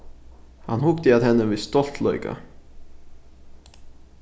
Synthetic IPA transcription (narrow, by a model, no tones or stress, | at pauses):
hanhʊkt̪əat̪hɛnːəvɪðst̪ɔl̥t̪lœ̰ʏka̰